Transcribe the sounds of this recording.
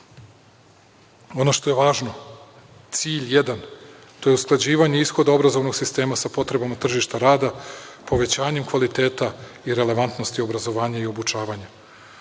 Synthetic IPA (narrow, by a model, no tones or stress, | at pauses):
o̞no̞ʃt̪o̞je̞ʋaːʒno̞ | t̪siːʎjed̪an | t̪o̞jeusklˠad͡ʑiːʋaɲe̞isxo̞d̪ao̞bɾazo̞ʋno̞ɡ̥sist̪e̞ːmasapo̞t̪ɾe̞bamat̪r̩ʒiʃt̪aɾaːd̪apo̞ʋe̞t͡ɕaːɲe̞mkʋalit̪e̞ːt̪a | iɾe̞le̞ʋant̪no̞st̪io̞bɾazo̞ʋaːɲaio̞but͡ʃaːʋaɲa